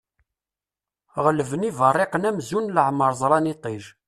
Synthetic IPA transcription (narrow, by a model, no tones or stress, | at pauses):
ʁələvənivərˤːeqnæmzunləʕməɾˤzˤɾˤɑnit̪ˤiʒ